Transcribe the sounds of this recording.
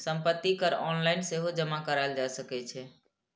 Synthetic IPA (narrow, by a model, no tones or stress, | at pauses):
səmpət̪ːikəɾɔnlaɪnseɦod͡ʒəmakəɾald͡ʒasəkɛt͡ʃʰɛ